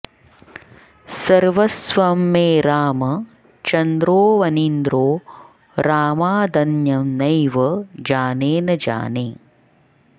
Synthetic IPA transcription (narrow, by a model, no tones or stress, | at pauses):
sɐɾʋɐsʋɐmːeːɾaːmɐ | t͡ʃɐnd̪ɾoːʋɐnind̪ɾoː | ɾaːmaːd̪ɐnjɐmnɐjʋɐd͡ʒaːneːnɐd͡ʒa̰ːneː